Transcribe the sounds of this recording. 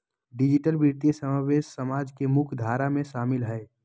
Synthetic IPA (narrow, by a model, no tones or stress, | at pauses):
ɖɪd͡ʒɪʈəlbiɾt̪ijesəmaːʋeːʃsəmaːd͡ʒkemʊkʰd̪ʱaːɾamẽʃaːmɪlɦɛː